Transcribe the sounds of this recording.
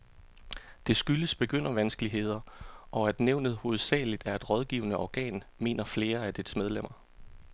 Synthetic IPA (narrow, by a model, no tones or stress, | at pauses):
d̥e̝sɡ̥yləsb̥e̝ɡ̥øn̰ɐʋænsɡ̥əliɦe̝ð̰ˠɐʔɒ̽æd̥neʊ̰nð̩ˠho̝ːð̩ˠsɛ̰ːlid̥æɐe̝d̥ʁɒ̽ð̞ˠɡ̥ḭːʊnəʔɒɡ̥ɛ̰ːnme̝̰ːnɐfle̝ːɐæd̥ed̥smeð̞ˠlem̰ɐ